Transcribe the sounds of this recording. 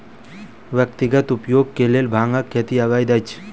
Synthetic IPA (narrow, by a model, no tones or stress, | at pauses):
ʋjəkt̪iɡət̪upjoɡ̚kelelbʱãŋəkʰːet̪iaɡajd̪ajt͡ʃʰ